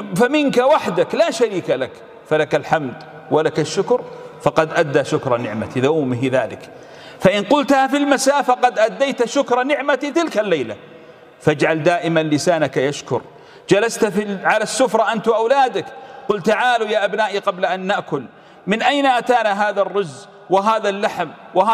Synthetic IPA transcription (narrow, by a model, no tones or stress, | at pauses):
famɪnkawaħd̪aklaːʃaɾiːkalak | falakalħamd̪ | walakaʃːʊkɾfɑqɑd̪ʔad̪ːaʃʊkɾˤɑnɪʕma̰t̪iðuːmɪɦða̰ːlɪ̰k | faʔɪnqʊlt̪hafilmasaːfaqɑd̪ʔad̪ːajt̪aʃʊkɾˤɑnɪʕmat̪it̪ɪlkalːajla̰ | fad͡ʒʕald̪aːʔɪmanlɪsaːnakajaʃkʊɾ | d͡ʒalast̪fiʕalasːʊfɾˤɑʔant̪wʔawlaːd̪akqʊlt̪aʕaːlujaːʔabnaːʔiqɑblaʔanːaʔkʊl | mɪnʔajnaʔat̪aːnaɦaːðarˤːʊzː | wɪɦaːðalːaħm | wahaː